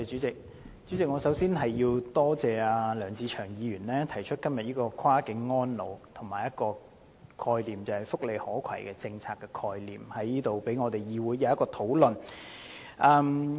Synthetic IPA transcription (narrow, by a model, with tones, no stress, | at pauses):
t͡ʃyː˨˥t͡sɪ˨k̚ | t͡sy˨˥t͡sɪ˨k̚ŋɔː˨˧sɐ˨˥wsiː˥nɦɐ˨jːiː˧wt̪ɔː˥t͡sɛː˨aː˧lœː˨˩ŋt͡sʰiː˧t͡ʃʰœː˨˩ŋjiː˨˧ɥyː˨˩nlɛː˥t̪ʰɐ˨˩jt͡ʃʰɵ˥t̚kɐ˥mjɐ˨t̚jiː˥kɔː˧kʰwaː˥kɪ˨˧˥ŋːɔː˥nlo˨˧wt̪ʰʊ˨˩ŋmaː˨jɐ˥t̚kɔː˧ | kʰɔː˧jliː˨˩mt͡sɐ˨whɐ˨jfʊ˥k̚le˨jhɔː˨˥kʰɐ˨˩jkɛː˧t͡sɪ˧ŋt͡sʰaː˧kːɛ˧kʰɔː˧jlḭː˨˩mhɐ˨˥jːiː˥t̪o˨wpe˨˥jŋɔː˨˧t̪e˨jjiː˨˧wuː˨˥jːɐ˨˦wɐ˥kːɔː˧t̪ʰo˨˥wlɵ˨˩n | ʔɐː˧m